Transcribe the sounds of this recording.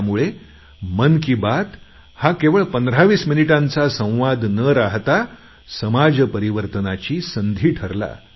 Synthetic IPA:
muɭe | mənkiːbat̪ | hakeʋəɭpənd̪əɾaʋiːsminiʈãnt͡sasə̃w̃ʋad̪nəɾaɦt̪a | səmad͡zpəɾiʋəɾt̪ənat͡ɕiːsənd̪ʱiːʈʰəɾla̰

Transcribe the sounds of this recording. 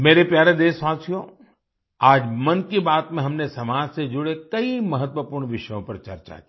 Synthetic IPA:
meːɾepjaːɾed̪eːʃwaːsijõ | aːd͡ʒmɐnkibaːt̪mẽɦɐmnesɐmaːd͡ʒsed͡ʒʊɽekɐimɐɦət̪ʋəpuːɾɳʋɪʃəjõpɐɾt͡ʃɐ̰ɾt͡ʃa̰kiː

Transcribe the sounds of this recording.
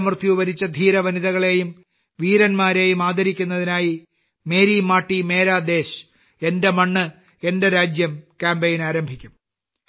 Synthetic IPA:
mrt̪ʰjuʋɐɾit͡ɕːɐd̪ʱiːɾɐʋɐniðɐɣɐɭe̞jum | ʋiːɾɐnmaːɾe̞ːjumaːd̪ɐɾikʲːunːɐðinaːji | me̞ːɾiːmaːʈːime̞ːɾaːd̪e̞ːɕ | e̞nde̞mɐɳːɨ | e̞nde̞ɾaːd͡ʑjɐmkaːmbejinaːɾɐmbʱikʲːum

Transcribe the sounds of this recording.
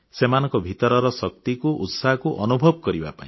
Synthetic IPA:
semanɔŋkɔbʱit̪ɔɾɔɾɔsɔk̚t̪ikuʔut̪saɦɔkuʔɔnubʱɔbɔkɔɾiba̰pa̰ĩ

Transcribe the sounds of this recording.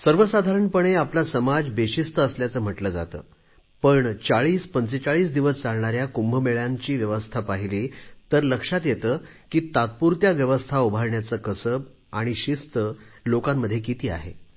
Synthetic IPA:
səɾʋəsad̪ʱaɾəɳpəɳeaplasəmad͡zbeɕist̪əːsljat͡səːm̤əʈləːd͡za̰t̪ə̰ː | pəɳt͡saɭiːspənt͡set͡saɭiːs̬d̪iʋəst͡saɭɳaɾjakumbʱəmeɭjaɲt͡ɕiːʋjəʋəst̪ʰapaɦiliːt̪əɾləkʂat̪jet̪əː | kiːt̪at̪̚puɾt̪jaʋjəʋəst̪ʰaubʱaɾɳjat͡səkəsəb̚ | aɽ̃iɕist̪əlokamːəd̪ʱːjekit̪iːa̰ɦḛ

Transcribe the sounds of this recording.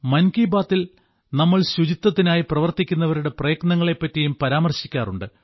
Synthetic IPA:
mɐnkiːbaːt̪ːil | nɐmːɐɭɕud͡ʑit̪ːɐt̪ːinaːjiprɐʋɐrt̪ikʲːunːɐʋɐɾuɽe̞prɐjɐknɐŋːɐɭe̞pːɐtːijumpɐɾaːmɐrɕi̥kʲːaːruɳɖɨ

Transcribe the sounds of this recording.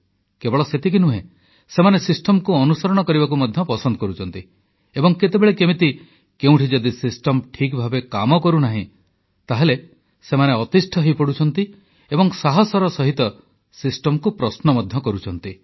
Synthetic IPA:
kebɔɭɔset̪ik̬inuɦḛ̃ | semanesisʈɔmkuɔnusɔɾɔɽ̃ɔkɔɾibak̬umɔd̪ʱjɔpɔsɔnd̪ɔkɔɾut͡ʃʰɔnt̪i | ebɔŋket̪ebeɭekemit̪i | keũʈʰid͡ʒɔd̪isisʈɔmʈʰikbʱabekamɔkɔɾunaɦḭ̃ | t̪aɦele | semaneɔt̪isʈʰɔɦejpɔɽut͡ʃʰɔnt̪i | ebɔŋsaɦɔsɔɾɔsɔɦit̪ɔ | sisʈɔmkupɾɔsnɔmɔd̪ʱjɔkɔɾut͡ʃʰɔnt̪i

